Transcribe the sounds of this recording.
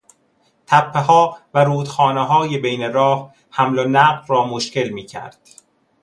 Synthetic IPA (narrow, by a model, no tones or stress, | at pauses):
t̪ʰæpʰːeɦɒːvæɾuːd̪xɒːneɦɒːjebejneɾɒːh | hæmlonæɢɾɒːmoʃce̞lmiːcʰæ̰ɾd̪̥